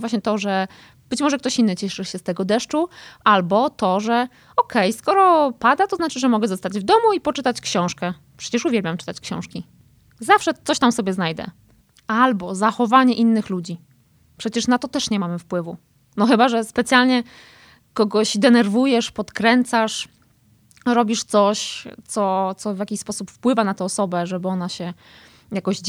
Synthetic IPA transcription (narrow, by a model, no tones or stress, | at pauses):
vwaɕɲɛt̪ɔʐɛ | b̥ɘt͡ɕmɔʐɛk̚t̪ɔɕinːɘt͡ɕɛʂɘɕɛst̪ɛɡɔd̪ɛʂt͡ʂuʔalbɔt̪ɔʐɛ | ɔkʰɛjskɔɾɔpad̪at̪ɔznat͡ʂɘʐɛmɔɡɛzɔst̪ad͡ʑvd̪ɔmuipɔt͡ʂɘt̪at͡ɕkɕɔ̃w̃ʂkɛ | pʂɛ̥t͡ɕɛʂuvʲɛlbʲjamt͡ʂɘ̥t̪at͡ɕkɕɔ̰̃w̃ʂkʲi | zafʂɛt̪sɔɕt̪amsɔbʲjɛznajd̪ɛ̰ | albɔzaxɔvaɲɛʔinːɘxlud͡ʑi | pʂɛt͡ɕɛʂnat̪ɔt̪ɛʂɲɛmamɘfpwɘvu | nɔxɘbaʐɛspɛt̪sjalɲɛ | kɔɡɔɕd̪ɛnɛɾvujɛʂpɔt̪kɾɛnt̪saʂ | ɾɔbʲiʂt̪sɔɕt̪sɔt̪sɔvʲjakʲiɕspɔsupfpwɘvanat̪ɛɔsɔbɛʐɛbɘɔnaɕɛ | jakɔʑ